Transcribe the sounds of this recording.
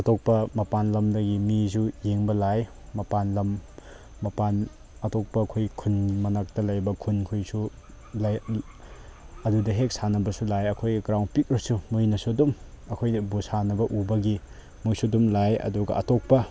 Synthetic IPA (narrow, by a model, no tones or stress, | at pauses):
ɐtok̚pɐmɐpanlɐmdɐɡimizujeŋbɐlajmɐpanlɐmː | ɐpan | ɐtok̚pɐkʰojkʰunmɐnak̚tɐlɐjbɐkʰunkʰujsu | lɐ | ɐdudɐɦek̚sanɐbɐsulajɐkʰojɡɡɾawnpik̚ɾɐsumojnɐsuɐdum | ɐkʰojnɐbusanɐbɐʔubɐɡi | mojsuɐdumlajɐ̰duɡɐ̰ɐ̰tok̚pɐ